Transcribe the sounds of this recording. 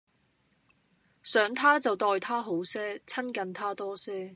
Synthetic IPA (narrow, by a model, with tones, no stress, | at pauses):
sœː˨˥ŋt̪ʰaː˥t͡sɐ˨wt̪ɔː˧jt̪ʰaː˥ɦo˨˥wsɛː˥t͡sʰɐ˥nkɐ˨nt̪ʰaː˥t̪ɔː˥sɛː˥